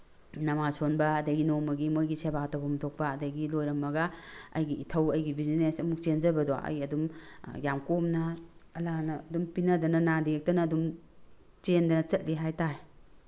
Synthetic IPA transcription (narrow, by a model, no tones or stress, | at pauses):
nɐmasonbɐɐdɐɡinomɐɡimojɡisebatɐwbɐmɐtʰok̚pɐːdɐɡilojɾɐmːɐɡɐɐ̰jɡiːtʰɐwɐjɡibizinesɐmuk̚t͡ʃenzɐbɐdɔɐ̰jɐdumjamkomnɐɐlanɐːdumpinɐdɐnɐnadiek̚tɐnɐːdum | t͡ʃendɐnɐt͡ʃɐt̚liɦajtae